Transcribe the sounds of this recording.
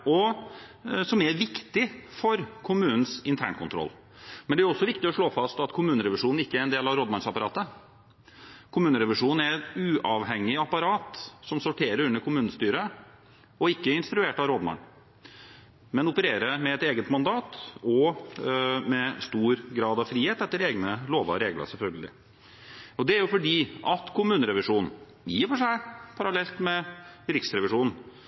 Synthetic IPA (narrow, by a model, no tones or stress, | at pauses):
ɔ | sɔmɛɾʋɪkt̪ɪfɔɾkʰʊmʉːnən̩sɪnt̪ʰæ̰ːɳkʰʊnt̪ʰɾɔ̰lː | mɛnd̪ɛæɾɔsːɔʋɪkt̪ɪɔʂɭoːfɑst̪ɑt̪kʰʊmʉːnəɾɛʋɪʂuːnn̩ɪkːəæɾɛnd̪eːlɑʋɾoːd̪mɑnsɑpɑɾɑːt̪ə | kʰʊmʉːnəɾɛʋɪʂuːnn̩æɾɛt̪ʉːʔɑʋɦɛŋːɪɑpɑɾɑːt̪sɔmsʊʈʰeːɾəɾʉnːəɾkʰʊmʉːnnəst̪yːɾə | ɔɪkːəɪnst̪ɾʉeːʈɑɾoːd̪mɑ̰n | mɛnʊpəɾeːɾəmɛɛt̪eːɡət̪mɑnd̪ɑːt̪ɔ | mɛst̪uːɾɡɾɑːd̪ɑʋfɾiːheːt̪ɛt̪ːəɾeːɡnəloːʋɑ̰ɾeːɡlə̰sɛlfœlɡəlɪ̰ | ɔd̪ɛæɾjʊfɔɖiːʔɑt̪kʰʊmʉːnəɾɛʋɪʂuːnn̩ | jiːfɔʂæɪpʰɑɾɑlɛlt̪mɛɾɪksɾɛʋɪʂuːnn̩